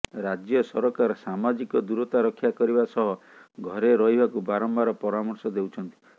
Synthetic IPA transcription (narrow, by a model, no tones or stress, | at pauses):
ɾad͡ʒjɔsɔɾɔkaɾɔsamad͡ʒikɔd̪uɾɔt̪aɾɔkʰːjakɔɾibasɔɦɔɡʱɔɾeɾɔɦibʱakubaɾɔmbaɾɔpɔɾamɔɾsɔd̪ewt͡ʃʰɔnt̪i̥